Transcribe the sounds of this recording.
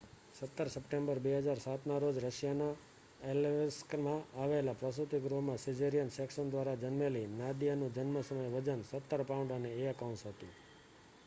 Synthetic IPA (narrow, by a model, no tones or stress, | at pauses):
sət̪ːəɾsəpʈẽmbəɾbeɦəd͡ʒaɾsat̪naɾod͡ʒɾəʃjana | elʋeskmãaʋelapɾəsut̪iɡɾomãsid͡ʒeɾijənseksənd̪ʋaɾad͡ʒənmelinad̪ijanũd͡ʒənməsəməjʋəd͡ʒənsət̪ːəɾpaɳɖaneeəkauɳʈsɦət̪ṵ̃